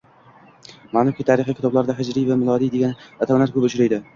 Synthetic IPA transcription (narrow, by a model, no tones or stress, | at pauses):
maːnʊkʲit̪ʰaɾɪχikʲʰɪt̪ɒblaɾd̪aɦɪd͡ʒɾijvamɪlˠɒd̪ijd̪e̞ɡʲanat̪ʰamlaɾkʰʊpʊt͡ʃʰɾajd̪ɪ